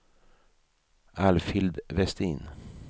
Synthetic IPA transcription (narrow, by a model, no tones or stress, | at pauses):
ʔæːlfɪld̪ʋɛst̪iːn